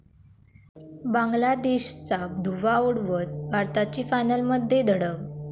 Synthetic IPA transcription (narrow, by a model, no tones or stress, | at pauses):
bãŋɡlad̪eɕt͡sad̪ʱuʋauɽʋət̪̚ʋaɾt̪at͡ɕiːfajnəlməd̪ʱːjed̪ʱəɽəɡ